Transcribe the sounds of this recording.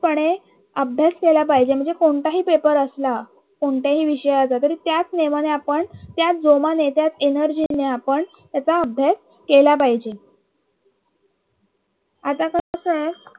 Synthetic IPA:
pəɳ̃e | əbʱjaskelapaɦid͡ʑem̤əɳd͡zekoɳʈ̪aɦiːpepəɾəsla | koɳʈaɦiːʋiɕəjat͡sat̪əɾiːt̪jat͡sneʋaneapəɳt̪jat͡sd͡zomanet̪jat͡senəɾd͡ʑinːeapəɳ | t̪jat͡saəbʱjas | kelapaɦid͡ʑe | at̪akəəkə

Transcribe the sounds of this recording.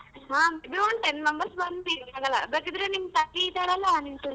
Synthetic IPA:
ɦãːmbɾuɳʈenmɐmbɐɾsbɐnd̪iaːɡɐlːɐ̰bekid̪ɾenimt̪ɐʈit̪aɽɐlːanimt̪un

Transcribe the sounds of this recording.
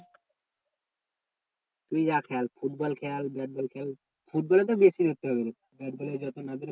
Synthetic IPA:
t̪umid͡ʑakʰɛalfuʈ̚bɔlkʰɛalbɛʈ̚bɔlkʰɛl | fuʈ̚bɔlet̪̬obesid̪ot̪ːeɦɔbeɾe | bɛʈ̚bɔled͡ʑɔt̪onad̪eɾ

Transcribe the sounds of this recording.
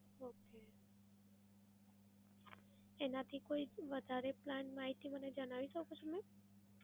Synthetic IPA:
oke | enat̪ʰikoiʋəd̪ʱaɾeplanmaɦit̪iməned͡ʒəɽ̃aʋiʃəkot͡ʃʰomẽ

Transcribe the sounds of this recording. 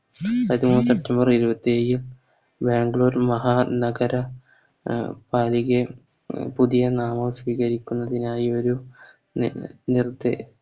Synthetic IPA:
ɐt̪ːimuːnɨse̞p̚tʰːɐmbɐriɾubɐt̪ːieːjil | beːŋɡɭo̞ːɾmɐɦaːnɐɡɐɾɐ | paːliɣe | puðijɐnaːmɐʋsʋiːɣɐɾikʲːunːɐðinaːjio̞ɾu | nird̪ḛ

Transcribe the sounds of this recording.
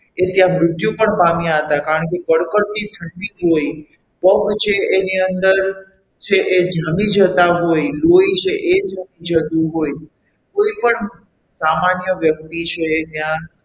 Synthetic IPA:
et̪jãmɾʊt̪jũpəɳbamjaɦət̪akaɾəɳkekəɽkəɾt̪iʈ̪ʰəɳɖiɦoj | pəkt͡ʃʰeeniənd̪əɾ | t͡ʃʰeʔed͡ʒamid͡ʒət̪aɦojloit͡ʃʰeʔed͡ʒʱamid͡ʒət̪ũɦoj | koipəɳ | samanjəʋjək̚t̪it͡ʃʰeːt̪jã

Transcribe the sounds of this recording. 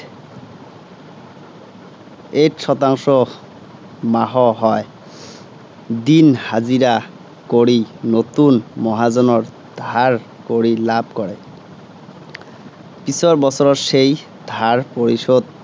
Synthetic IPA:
etʃɔt̪aŋʃɔ | maɦɔɦɔe | d̪inhaziɾa | koɾinot̪unmɔɦad͡ʑɔnɔɾ | d̪̥ʱaɾ | koɾilab̚ʱkɔɾe | pisɔɾbɔsʰɔɾɔʃej | d̪ʱaɾpoɾiʃod̪̚

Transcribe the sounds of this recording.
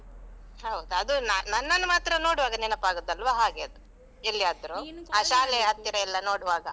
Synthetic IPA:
ɦɐwd̪ɐd̪unanɐnːɐnːɐmaːt̪ɾɐno̞ːɽuʋaːɡɐnɛnɐpːaːɡud̪ːɐlʋaɦaːɡeɐd̪u | elːijaːd̪ɐɾuaːʃaːleɐɦɐt̪ːiɾɐɛlːɐnoːɽuʋaːɡɐ

